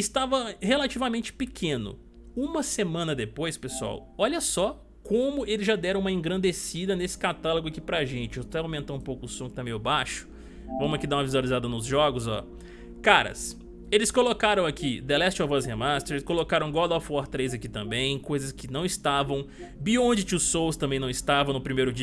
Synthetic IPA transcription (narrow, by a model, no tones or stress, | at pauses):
ɪst̪avɐhelat͡ʃivɐmẽnt͡ʃɪ̥pɪkʰẽnʊ̰ | ũmɐsemɐ̃nɐd̪epojspesua̰wɔʎɐsɔ | kõmʊelɪzʒad̪ɛɾɐ̃umɐẽɡɾɐ̃nd̪esid̪ɐnesɪ̥kat̪aloɡʊakipɾɐʒẽnt͡ʃɪot̪ɛaw̃mẽnt̪ãũpowkʊʊsõkɪt̪amejʊbaʃʊ̥ | vɐ̃mʊɐkid̪aũmɐvizwalizad̪ɐnʊzʒɔɡʊzɔ̰ | kaɾɐ̰s | elɪskolokaɾɐ̃w̃akʰid̪elɛst͡ʃavɔɐshemast̪eɾelɪskolokaɾɐ̃w̃ɡɔd̪ɔfɔɾt̪ɾejzɐkit̪ɐ̃mbẽj̃kojzɐskɪnɐ̃w̃ɪst̪avɐ̃w̃ | biõd͡ʒɪt͡ʃɪʊsːowst̪ɐ̃mbẽj̃nɐ̃w̃ist̪avɐ̃w̃nʊpɾimejɾʊd͡ʒi